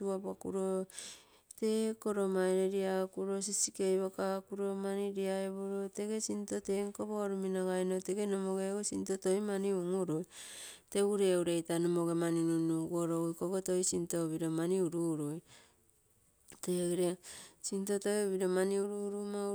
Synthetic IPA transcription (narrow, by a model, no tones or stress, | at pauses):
uabakuɾo | tekoɾomaeɾeɾiakuɾosisikejβokakuɾo̞maniɾiaeβoɾote̞ɡe̞sintoteŋkoβoɾuminaɡajnoteɡenomoɡeosintotojmaniuŋuɾojteuɾeuɾe̞jtanomoɡemaninunuɡoɾojkoɡotojsintoβiɾomaniuɾuɾuj | teɡɾesintotojβiɾomaniuɾuɾuma